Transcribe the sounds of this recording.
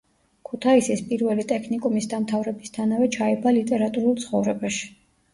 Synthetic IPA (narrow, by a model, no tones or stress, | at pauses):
kʰut̪ʰaisispʼiɾvɛlit̪ʼɛkʰnikʼumisd̪amt̪ʰavɾɛbist̪ʰanavɛt͡ʃʰaɛbalit̪ʼɛɾat̪ʼuɾulˠt̪sʰχɔvɾɛbaʃi̥